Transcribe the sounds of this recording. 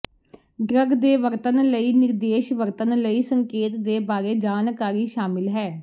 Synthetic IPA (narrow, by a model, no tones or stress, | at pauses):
ɖɾəɡd̪eːʋəɾt̪ənləiːnɪɾd̪eːʃʋəɾt̪ənləiːsəŋkeːt̪d̪eːbaːɾeːd͡ʒaːnkaːɾiːʃaːmɪlɦɛː